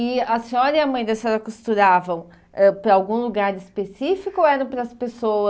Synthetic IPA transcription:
ɪɐsĩɲɔɾɐiɐmɐ̃j̃d̪ɐsɔɾɐkust̪uɾavɐ̃w̃ | ɛpɾɐawɡũluɡaɾɪspesifikʊoɛɾɐ̃w̃pɾɐɐspesowɐ

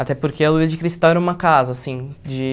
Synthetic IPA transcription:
at̪ɛpoɾkeɐluiɐd͡ʒɪkɾist̪awɛɾɐũmɐkazɐːsĩd͡ʒɪ

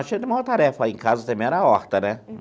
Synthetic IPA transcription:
at͡ʃĩɐ̃t̪ɪmawt̪aɾɛfɐẽkazɐt̪ɐ̃mbẽɛɾɐaɔɾt̪ɐnɛ

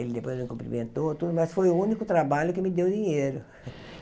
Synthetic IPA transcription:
elɪd̪epojzelmĩkũmpɾḭmẽnt̪ot̪ud̪ʊmɐsfojʊũnikʊt̪ɾabaʎʊkɪmɪd̪ewd̪iɲejɾʊ

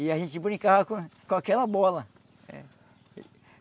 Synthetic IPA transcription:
iaʒẽt͡ʃipũnĩkahakũkõakɛlabɔlɐ | ɛ̰

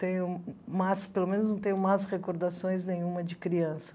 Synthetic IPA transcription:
t̪ẽjʊmaspelomẽnʊznɐ̃w̃t̪ẽj̃ʊmajsʁekoɾd̪asõj̃znẽj̃ũmɐd͡ʒɪkɾiɐ̃sɐ̥

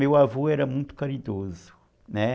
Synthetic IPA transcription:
ewavoɛɾɐmũj̃t̪ʊ̥kɐɾid̪ozʊ | nɛ

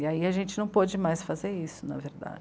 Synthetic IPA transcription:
iaiɐʒẽnt͡ʃɪnɐ̃w̃pod͡ʒɪmajsfazeɾisʊnɐ̰veɾd̪a̰d͡ʒ

